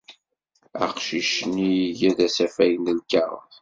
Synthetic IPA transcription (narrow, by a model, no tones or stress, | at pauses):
æ̰qʃiʃniʝæðæsæfæjənəlkːaʁˤə̰θ